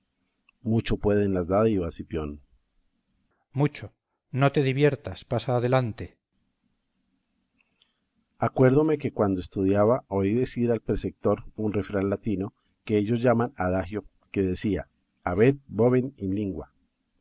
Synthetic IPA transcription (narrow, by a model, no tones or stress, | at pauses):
mut͡ʃo̞pwe̞ðenlazðaðoiβasipjo̞n | mut͡ʃo | no̞t̪e̞ðiβje̞ɾt̪aspasaːðelant̪e | akwe̞ɾðome̞ke̞kwand̪oest̪uðjaβaoiðe̞siɾalpɾesek̚t̪o̞ɾunre̞fɾanlat̪ino̞ | ke̞eʝo̞zʝamanaðaxjo | ke̞ðe̞siaː | βe̞t̪̚boβeninliŋɡwa